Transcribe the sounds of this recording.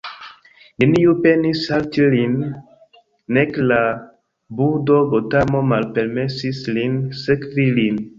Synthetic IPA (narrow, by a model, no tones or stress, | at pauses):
ninijupenisaltilin | ɛkla | budobotamomalpeɾmesislinsɛkvilin